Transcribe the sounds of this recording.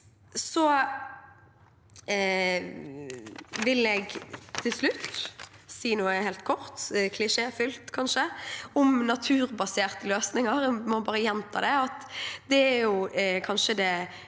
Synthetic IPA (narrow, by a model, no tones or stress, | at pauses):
sɔ | ʋɪlɛːɡt̪ʰɪlslʉt̪ːsiːnuːəhɛlt̪̚kʰɔɾt̪kʰlɪʂeːfʏlt̪kʰɑnʂəɔmnɑt̪ʰʉːɾbɑseːʁt̪əløːsnɪŋəɾmɑnbɑːɾəjɛnt̪ʰɑ̰ːd̪ɛɑt̪d̪ɛæɾjʊkʰɑnʃəd̪ɛ